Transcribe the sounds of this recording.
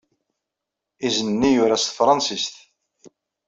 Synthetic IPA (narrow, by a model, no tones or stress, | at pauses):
izənnːijʊɾæst̪fɾˤɑnsist̪